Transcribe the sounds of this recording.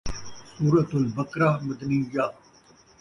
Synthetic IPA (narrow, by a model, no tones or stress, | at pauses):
suːɾɐt̪ʊlbɐkɾamɐd̪nijaː